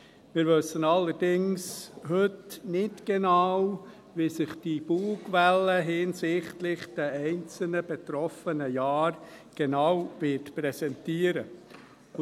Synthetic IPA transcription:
mɪːɾʋøsːənɑlːəɾdɪŋshɵtnɪtɡ̥enɑw | ʋisɪχd̥ib̥uːɡʋɛləɦɪːnsɪχtlɪχd̥ɛɛɪnt͡sl̩nəb̥etɾɔfənəjɑːɾ | ɡ̥enawvɪtpɾɛsɛntiːəɾə

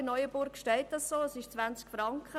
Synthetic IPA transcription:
nɔʏəbʊɾkʃtɛɪt̚d̥ɑssoːəsɪʃt͡sʋænt͡skfɾɑŋkχə

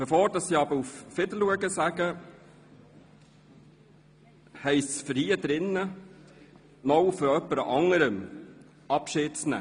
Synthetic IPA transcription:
fəfoːɾdɑssiːɑbəɾuffɪdəluəɡəsæɡə | hɛɪssfəɾhiːəd̪ɾɪnːə | nɔwfɔɾœpːəɾʔɑŋəɾəm | ɑpʃɪːt̚snæ̰

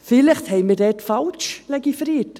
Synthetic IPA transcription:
fɪlɪχt̪hɛɪmidɛːtfalt͡ʃlɛɡifɾiːt

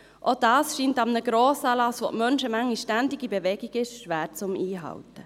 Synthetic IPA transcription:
ʔod̥ɑːsʃiːntɑmnəɡɾoːsɑːlɑsʋo̰ʔmœnʃəmæŋːiʃtændɪɡibeʋɛɡiɡɪʃʃʋæːɾt͡sʊmiːɦɑ̰wtə

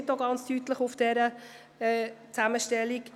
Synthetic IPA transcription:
tdoɡɑnt͡stytləχʊfd̥ɛɾə | ɛt͡sæməʃtɛlik

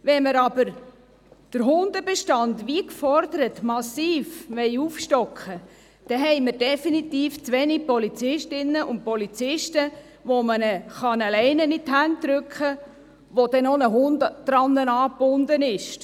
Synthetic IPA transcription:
ʋɛnməɾɑb̥əɾ | d̥əɾɦʊnd̪əbɛʃtɑndʋikfɔɾdəɾət̪mɑsiːfʋɛɪuːfʃtɔkχə | d̥ɛɦɛɪməɾd̥ɛfinit̪iːft͡sʋɛnipɔlit͡sɪʃtɪnːəʔʊnt̚pɔlit͡sɪʃtə | ʋomənəχɑnəlɛɪnənitɦæntːɾʏkχə | ʋod̥ɛnonəɦʊndd̥ɾɑnːənɑːb̥ʊndənɪʃ

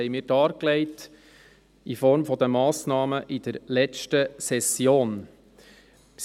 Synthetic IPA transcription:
ɛjmiːɾd̥ɑːɾklɛɪt | ifɔɾmfɔd̪əmɑːsnɑːməʔɪd̪̥əɾlɛt͡ʃtəsɛsjoːn | ps

